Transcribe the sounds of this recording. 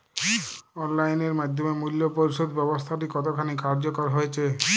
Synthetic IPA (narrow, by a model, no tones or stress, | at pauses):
ɔnlajneɾmad̪ʱjomemuljopoɾiʃod̪bɛbost̪ʰaʈ̬ikɔt̪okʰanikaɾd͡ʑokɔɾɦoet͡ɕʰe